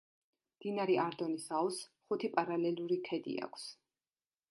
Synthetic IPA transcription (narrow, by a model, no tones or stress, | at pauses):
md̪̥inaɾiʔaɾd̪ɔnisalˠsχut̪ʰipʼaɾalɛluɾikʰɛd̪ḭa̰kʷʰs